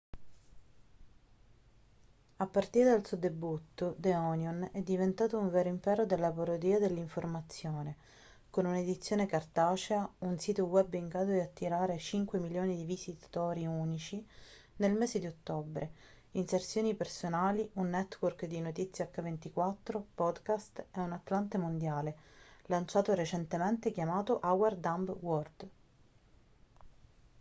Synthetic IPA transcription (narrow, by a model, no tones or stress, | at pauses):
apːart̪iːɾed̪alsud̪ebut̪ːod̪eɔnjonɛd̪ːivent̪aːt̪ouɱvɛːɾoimpɛːɾod̪elːapaɾod̪iːad̪elːiɱformat̪sːjoːne | konuned̪it̪sːjoːnekart̪aːt͡ʃeaunsiːt̪owɛbiŋɡɾaːd̪od̪iat̪ːiɾaːɾet͡ʃiŋkwemiljoːnid̪ivizit̪ḁt̪oːɾiunit͡ʃi | nelmeːzed̪iot̪ːobɾʔe | insert̪sjoːnipersonaːliunːɛt̪ːworkd̪inot̪it̪sːjakːavent̪ikwat̪ːɾopɔd̪kast̪eunat̪ːlant̪emond̪jaːlelant͡ʃaːt̪oɾet͡ʃɛnt̪ement̪ekjamaːt̪oʔawɛrd̪ambwɔrd̪̥